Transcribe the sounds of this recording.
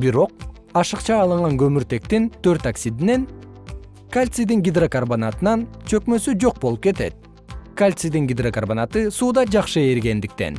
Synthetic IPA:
biɾo̞q̚ | ɑʃɯqt͡ʃɑːlˠɯɴʁɑŋɡø̞myɾt̪e̞k̚t̪int̪ʰø̞ɾt̪aksʲid̪ine̞n | kalʲt̪sid̪iŋɡʲid̪rokarbonat̪ɯnɑnt͡ʃʰø̞kmø̞syd͡ʒo̞q̚bo̞lˠup̚ke̞t̪e̞t̪̚ | kalʲt̪sɨid̪iŋɡʲid̪rokarbonat̪ɯsuːd̪ɑd͡ʒɑqʃɯeɾɡe̞nd̪ikt̪e̞̰n

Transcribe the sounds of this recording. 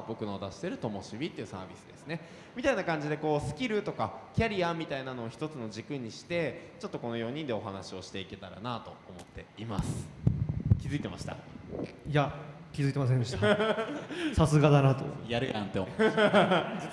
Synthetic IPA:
bo̞kɯ̟nood̪aɕi̥t̪e̞ɾɯ̟t̪o̞mo̞ɕibʲit̪ːeiɯ̟sa̰ːbʲisɨd̪e̞sɨ̥ne̞ | mʲit̪ainakãɲ̟d͡ʑid̪e̞ko̞ːsɨ̥kʲiɾɯ̟t̪o̞kakʲaɾʲiamʲit̪ainano̞ːçi̥t̪o̞t͡sɨno̞d͡ʑikɯ̟ɲ̟iɕi̥t̪e̞t͡ɕo̞t̪ːo̞ko̞no̞jo̞ɲ̟ĩnd̪e̞o̞ɦanaɕio̞ɕi̥t̪e̞ike̞t̪aɾa̰nat̪o̞omo̞t̪ːe̞imasɨ̥ | kʲizɨit̪e̞maɕi̥t̪a̰ | ja | kʲizɨit̪e̞mas̬end̪eɕt̪a | sasɨɡad̪anat̪o̰jaɾɯ̟kãnt̪e

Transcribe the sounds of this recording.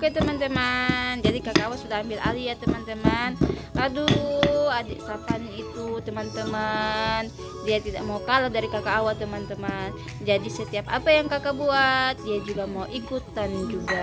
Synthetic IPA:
ukat̪əmant̪əmand͡ʒadikakaːwasudahambilʔa̰liat̪əmant̪əman | aduadɛʔsapanit̪ut̪əmant̪əman | diat̪ida̰ʔmaukaladaɾikakaːwat̪əmant̪əman | d͡ʒadisət̪iap̚apajaŋkakabuat̪̚diad͡ʒuɡamauʔikut̪and͡ʒuɡa

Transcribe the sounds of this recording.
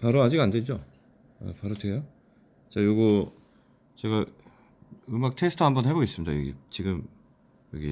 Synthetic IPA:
paɾoad͡ʑiɡanded͡ʑo | a̰paɾɯtʰejo | t͡ɕajoɡo | t͡ɕe̞ɡa | ɯmak̚tʰesʰɯ̥tʰɯɦambʌnhe̞bois͈ɯmɲida̰jʌ̰ɡḭt͡ɕiɡɯm | jʌɡḭ

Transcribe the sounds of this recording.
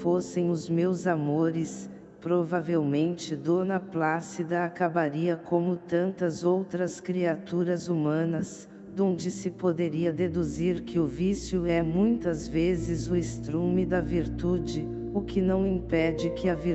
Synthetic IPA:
fosẽj̃ʊzmewzamoɾɪs | pɾovavewmẽnt͡ʃɪd̪onɐplasid̪ɐakabaɾiɐkʰõmʊt̪ɐ̃nt̪ɐzowt̪ɾɐskɾiat̪uɾɐzumɐ̃nɐs | d̪õnd͡ʒɪsɪpod̪eɾiɐd̪ed̪uziɾkɪʊvisjʊɛmũj̃t̪ɐzvezɪzʊɪst̪ɾumɪd̪ɐviɾt̪ud͡ʒɪ | ʊkɪnɐ̃w̃ĩpɛd͡ʒɪkɪɐviɾ

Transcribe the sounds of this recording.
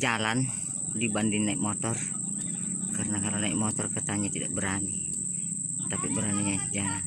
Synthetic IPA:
d͡ʒalan | dibandiŋnaiʔ̚mɔt̪ɔr | kaɾənakalanaḭʔ̚mɔt̪ɔrkət̪aɲat̪ida̰ʔ̚bəɾani | t̪apibəɾaniaja

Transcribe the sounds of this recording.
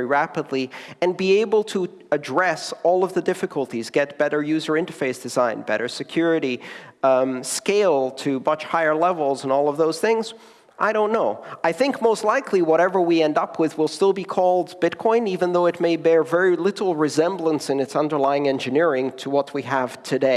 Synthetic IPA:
iɹæpədˡliɨ̃nbieɪbl̩ˠtʰə | ɨdɹɛsɔlˠʌvðɨdɪfɨkʰəlˠtizɡɛt̚b̥ɛɾə˞jʉzə˞ɪ̃ntə˞feɪsd̥ɨzãɪ̃nbɛ̰ɾə˞sɨkʰj̥ʊɹɨɾi | skeɪlˠtʰɨmʌt͡ʃhaɪə˞lɛvl̩ˠzə̃nɔlˠʌvðoʊz̥θɪ̃ŋz | ʔaɪɾõʊ̃nːoʊaɪθɪ̃ŋkmoʊstˡlaɪkʰliwʌɾɛvə˞wiɛ̃ndʌpʰwɨðwəlˠstɪlˠbikʰɔlˠdb̥ɪt̚kʰɔ̃ɪ̃nivɨ̃nðoʊɨt̚meɪbɛɹvɛɹilɪɾl̩ˠɹɨzɛ̃mblə̃nsɨ̃nɨtsʌ̃ndə˞laɪɪ̃ŋɛ̃nd͡ʒɨnɪɹɪ̃ŋtʰəwʌt̚wiəv̥tʰɨdeɪ

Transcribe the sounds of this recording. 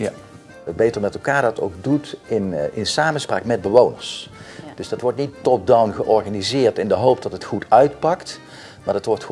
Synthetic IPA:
bejtəɹmɛtɛlˠkaːɹdɑto̰wɡ̚dutɪnɪnsaːmənspraːkmɛd̚bəʋownə̰ɹsd̥ɵzdɑtʋɔɹtnitːɔp̚dawnɣəʔɔɹχanizɪːɹtɪndəɦowp̚dɑtɦətχutʰœɥtpɑkt | maːdətʋɔɹt

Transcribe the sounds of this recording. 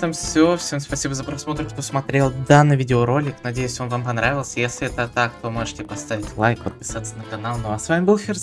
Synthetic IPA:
t̪əmfsʲofsʲemspɐsʲibəzəpɾɐsmo̞t̪ɾəkt̪o̞smɐt̪ɾʲelˠd̪anːɨjvʲidʲɪoɾo̞lʲːɪknɐdʲejʉsʲo̞nvampɐnɾavʲɪlˠsʲəjesʲlʲɪɛt̪ət̪ak̚t̪o̞mo̞ʐɨtʲɪpɐst̪avʲɪtʲvlˠajkpət̪̚pʲɪ̥sat̪sənəkɐnalˠnoɐsvamʲɪbɨlˠfʲɪrs

